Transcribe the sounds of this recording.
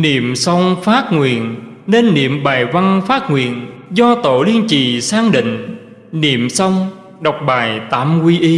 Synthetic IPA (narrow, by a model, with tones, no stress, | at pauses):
nḭ˧˨əmsə˧wŋ͡mfaː˦˥t̚ŋwḭ˨˩ən | ne˧nːḭ˧˨əmɓaː˨˩jva˧ŋfaː˦˥t̚ŋwḭ˧˨ənzɔ˧t̪o̰˧˨li˧ənt͡ɕi˨˩saː˧ŋɗḭ̈˧˨ŋ̟ | nḭ˧˨əmsə˧wŋ͡m | ɗa˨˩wk͡p̚ɓaː˨˩jt̪aː˧˩mkwi˧ʔi˧